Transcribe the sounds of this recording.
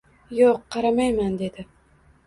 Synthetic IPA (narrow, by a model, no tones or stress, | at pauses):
joqʰːɑɾamajmand̪e̞d̪ɪ